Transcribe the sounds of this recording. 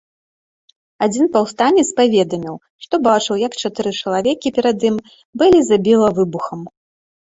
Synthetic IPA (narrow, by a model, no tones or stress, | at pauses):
ad͡zʲinpawst̪anʲːɛspavʲɛd̪ɐmʲiw | ʂt̪ɔbat͡ʂɨwjɐkt͡ʂat̪ɨɾɨt͡ʂɐlˠavʲɛkʲipʲɛɾad̪ɨm | bɨlʲizabʲilˠɐvɨbuxɐm